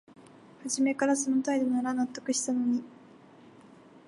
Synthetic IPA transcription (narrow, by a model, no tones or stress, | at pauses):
haʑime̞kaɾas̬o̞no̞t̪aid̪o̞naɾanat̪ːo̞kɯ̟ɕi̥t̪ano̞ɲ̟i